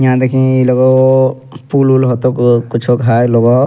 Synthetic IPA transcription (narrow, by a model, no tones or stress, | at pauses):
jãd̪ekʰĩilɔɡɔ | pululɦɔt̪ɔkkut͡ʃʰɔkɦajlɔɡɔ